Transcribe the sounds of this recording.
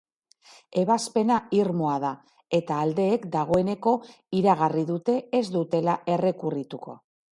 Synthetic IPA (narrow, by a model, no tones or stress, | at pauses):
e̞β̞aspe̞naiɾmoað̞a | e̞t̪aːld̪e̞ːkd̪aɣ̞o̞e̞ne̞ko̞ | iɾaɣ̞ariðut̪e̞ezd̪ut̪e̞lae̞re̞kurit̪uko̞̰